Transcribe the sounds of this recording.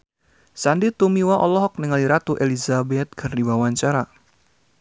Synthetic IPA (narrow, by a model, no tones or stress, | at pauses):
sandit̪umiwaʔɔlɔɦɔk̚nəŋaliɾat̪uʔelizabɛt̪̚kʰɨrdibawaɲt͡ʃaɾa